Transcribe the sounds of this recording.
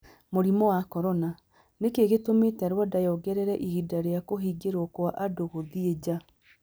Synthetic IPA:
moɾimɔwakɔɾɔna | nekeɣetometɛɾwadajɔɡɛɾɛɾɛʔiɣidaɾeakoɦiɡeɾokwaʔadoɣoðied͡ʑa

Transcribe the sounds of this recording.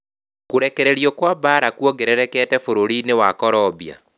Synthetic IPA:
koɾɛkɛɾeɾjɔkwabaɾakwɔɡeɾɛɾɛkɛtɛfoɾoɾinewakɔɾɔbia̰

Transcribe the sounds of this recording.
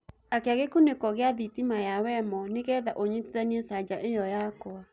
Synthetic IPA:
akeaɣekonekɔɣeaðitimajawɛmɔneɣɛðaʔoɲiteðɛniɛsad͡ʒaʔejɔjakɔa

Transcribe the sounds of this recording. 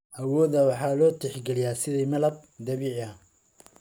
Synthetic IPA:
ʔɐwɔːðɐwɑħɑːlɔːt̪ʰɪħɡɛlɪjaːsɪðɛmɐlɐb̚d̪ɐβiːʕɐ

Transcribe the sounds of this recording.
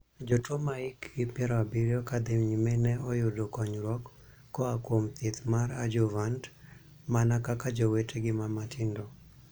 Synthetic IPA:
d͡ʒotwomaɪkɡɪpjɛɾɔabiɾjɔkad̪emɲimenɛɔjʊdokɔɲɾɔkː | ɔakwomt̪it̪maɾad͡ʒovant | manakakad͡ʒowetʰeɡɪmamatɪndɔ

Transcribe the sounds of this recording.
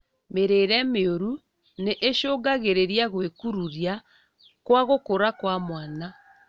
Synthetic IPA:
meɾeːɾɛmeoɾu | neʔːʃoːɡaɣeɾeɾiaɣwekuɾuɾja | kwaɣokoɾakwamwaːna

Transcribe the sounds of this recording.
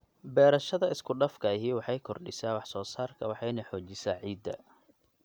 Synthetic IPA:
bɛːɾɐʃɐðɐɪskʰʊɖɐfkʰɐɪɦiːwɑħɑjkʰɔrɖɪsaːwɑħsɔːsaːrkʰɐwɑħɑjnɐħɔːt͡ʃɪsaːʕiːd̪ɐ̰

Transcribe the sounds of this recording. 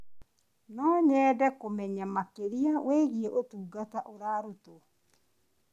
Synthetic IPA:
nɔːɲɛːdɛkomɛɲamakeɾiawɛɣieʔotuːɡataʔoɾaːɾoto

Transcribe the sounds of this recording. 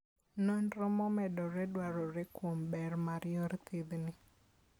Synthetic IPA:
nɔnɾɔmɔmɛdɔɾɛdwaɾɔɾɛkwombɛrmaɾjɔɾt̪ɪd̪nɪ

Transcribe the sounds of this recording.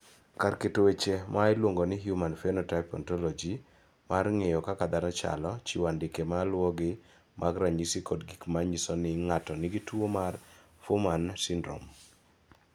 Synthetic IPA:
karketowet͡ʃemaɪlwoŋɡonɪɦjumanfenotapɔ̰ntɔlɔd͡ʒi | marŋejɔkakad̪anɔt͡ʃa̰lɔt͡ʃiwandɪkemalwɔɡɪ | mʔaɡɾaɲisikodɡikmaɲisɔnɪŋatɔnɪɡitwomar | fomansindɾo̰m

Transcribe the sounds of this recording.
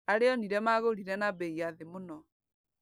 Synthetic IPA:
aɾeɔniɾɛmaɣoɾiɾɛnabɛiaðemonɔ

